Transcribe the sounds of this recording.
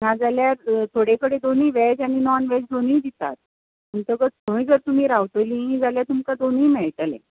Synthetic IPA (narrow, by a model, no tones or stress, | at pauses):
nad͡zaljaɾt̪ʰoɽekəɽed̪oniːʋɛd͡zañinɔnʋɛd͡zd̪oniːd̪it̪a̰t̪̚ | mənt̪əɡətəĩd͡zəɾt̪um̤iːɾaʋt̪oliĩd͡zaljat̪umkad̪oniːmɛɭʈəlḛ̃